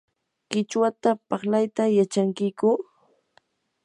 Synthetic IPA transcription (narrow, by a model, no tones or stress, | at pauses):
kɪt͡ʃwat̪apɑχlajt̪ajat͡ʃaŋkɪkʊ